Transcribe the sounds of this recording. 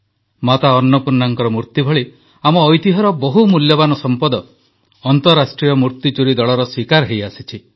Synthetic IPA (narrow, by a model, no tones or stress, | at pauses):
mat̪aɔnːɔpuɾnːaŋkɔɾɔmuɾt̪ibʱɔɭi | amɔːjt̪iɦɔɾɔbɔɦumuljɔbanɔsɔmpɔd̪ɔ | ɔnt̪ɔɾasʈɾijɔmuɾt̪it͡ʃuɾid̪ɔɭɔɾɔswikaɾɦejasit͡ʃʰi